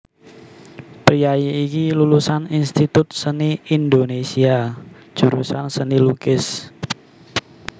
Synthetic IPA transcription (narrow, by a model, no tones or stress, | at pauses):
pɾijajeikilulusaninst̪it̪ʊt̪̚səniind̪onesiad̥ʒ̥uɾusansənilukɪs